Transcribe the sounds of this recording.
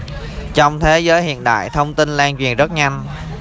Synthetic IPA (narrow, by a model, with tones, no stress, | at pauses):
t͡ɕɔ˧wŋ͡mt̪ʰe˨˦zəː˨˦jhḭ˧˨ənɗa̰ː˧˨jt̪ʰə˧wŋ͡mt̪i˧nlaː˧ŋt͡ɕwi˨˩ənzə˦˥t̚ɲa˧jŋ